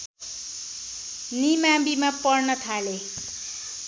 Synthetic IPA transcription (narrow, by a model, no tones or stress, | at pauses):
nimabimapʌrnʌt̪ʰale